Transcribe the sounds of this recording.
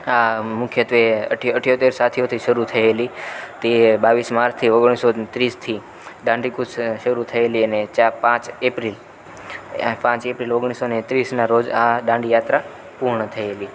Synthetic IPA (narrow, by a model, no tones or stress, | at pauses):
amʊkʰjət̪ʋeə̰ʈəʈʰjot̪eɾsat̪ʰijot̪ʰiʃəɾut̪ʰəelit̪ebaʋismaɾst̪ʰioɡɽ̃isot̪ɾist̪ʰi | ɖãɳɖikusʃəɾut̪ʰəeliənet͡ʃapãt͡ʃepɾil | pãt͡ʃepɾiloɡɽ̃isonet̪ɾisnaɾod͡ʒaɖãɳɖijat̪ɾa | puɾɳət̪ʰəeli